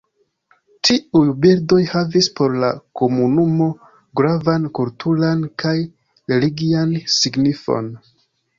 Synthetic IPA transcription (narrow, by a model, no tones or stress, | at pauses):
tʰiujbiɾdo̞jhavispo̞ɾlako̞munumo̞ | ɡɾavankultʰulankaj | ɾeliɡiansiɡnifo̞̰n